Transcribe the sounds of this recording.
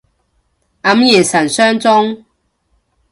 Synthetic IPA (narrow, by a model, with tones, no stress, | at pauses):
ʔɐ˨˥mjɛː˨˩sɐ˨˩nsœː˥ŋt͡sʊ˥ŋ